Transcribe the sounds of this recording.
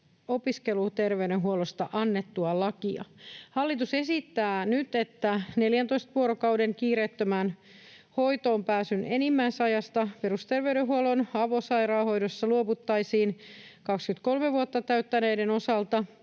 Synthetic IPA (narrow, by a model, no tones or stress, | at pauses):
o̞piske̞lut̪e̞rʋeydenɦuolost̪ɑʔɑnːet̪ːuɑlɑkiɑ̰hɑlːit̪use̞sit̪ːæːnyt̪e̞t̪ːæne̞ljænt̪o̞ist̪ʋuoɾokɑwde̞ŋkiːɾet̪ːømæn | ho̞jt̪o̞ːmpæːsyne̞nimːæjsɑjɑst̪ɑpeɾust̪erʋeyɥɾeɦuolo̞nɑʋosɑjɾɑːho̞jdosːɑluoput̪ːɑjsiːnkɑkskyt̪ko̞lmeʋuot̪ːɑt̪æyt̪ːæne̞ːdeno̞sɑlt̪ɑ